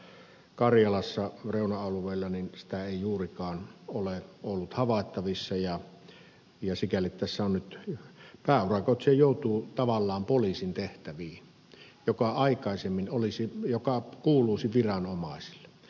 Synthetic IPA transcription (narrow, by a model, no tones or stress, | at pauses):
kɑrjɑlɑsːɑreˑunɑɑluʋˑeˑilːɑninsi̥t̪æeˑijuːrikɑːnoleolːut̪hɑʋɑˑet̪ːɑʋisːɑjɑ | jɑsikælːˑit̪t̪æsːæonnyt̪pæːurɑkot̪sejjoˑut̪uːt̪ɑʋɑlːɑːmpolisint̪eht̪æʋiːn | jokɑɑˑikɑˑisemːinolisijokɑkuːluːsiʋirɑnomɑˑisi̥lːˑe